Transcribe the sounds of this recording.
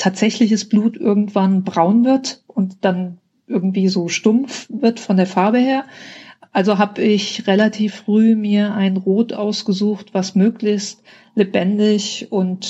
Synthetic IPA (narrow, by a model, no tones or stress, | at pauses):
tʰaːtz̥ɛçlɪçəsb̥luːtʔɪ̰ɐɡŋ̩tv̥anbʁaʊnvɪɐtʔʊntd̥an | ʔɪɐɡŋ̩tv̥iːzoːʃtʊmfvɪɐtfɔndeːɐfaɐbəheːɐʔalzoɦaːbɪçʁelatʰiːfʁ̥yːmiːɐʔaɪnʁoːtʔa̰ʊsɡ̥əzuːxtv̥asmøːklɪçst | lebɛndɪçʔʊnt